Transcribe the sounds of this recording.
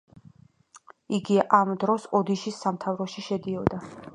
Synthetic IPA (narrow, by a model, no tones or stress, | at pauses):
iɡiʔamd̪ɾɔsɔd̪iʃisːamt̪ʰavɾɔʃiʃɛd̪iɔd̪a